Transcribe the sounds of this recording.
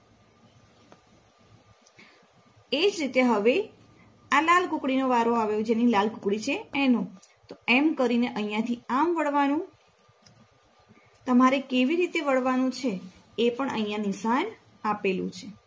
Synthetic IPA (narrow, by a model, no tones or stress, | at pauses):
ed͡ʒɾit̪eɦəʋe | alalkũkɽinoʋaɾoaʋejõd͡ʒenilalkũkɽit͡ʃʰeːnũ | t̪oemkəɾineʔəĩjãt̪ʰiamʋəɭʋanũ | t̪əmaɾekeʋiɾit̪eʋəɭʋanũt͡ʃʰeː | pəɳʔə̰ijãnisan | apelṵ̃t͡ʃʰe